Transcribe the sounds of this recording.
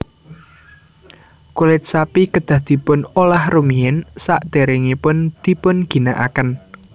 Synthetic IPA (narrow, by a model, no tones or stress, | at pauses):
kulɪt̪̚sapikəd̪̥a̤hd̪̥i̤pʊnolahrumiɪnsa̰ʔd̪̥e̤ɾɪŋipʊnd̪̥i̤pʊnɡ̥i̤naʔa̰kən